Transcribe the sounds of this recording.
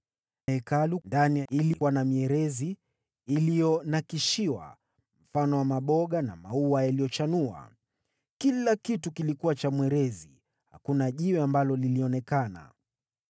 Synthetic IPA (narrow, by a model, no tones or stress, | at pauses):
ɛkalundaniilikwanamiɛɾɛziː | lijɔnakiʃiwa̰ | m̩fanɔwamaɓɔɠana̰mauwajaliɔt͡ʃanua̰ | kilakitukilikuwat͡ʃamwɛɾɛzi | ha̰kunaʄiwɛambalɔliliɔnɛkana̰